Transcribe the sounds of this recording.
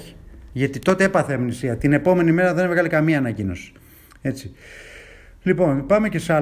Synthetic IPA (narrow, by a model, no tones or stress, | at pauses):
i̥ʝɐt̪it̪o̞t̪e̞epɐθeɐmnisiɐt̪ine̞po̞me̞nime̞ɾɐðe̞nvɣɐlikɐmiɐːnɐcino̞si̥ | e̞t͡si | lipo̞npɐmece̞seɐ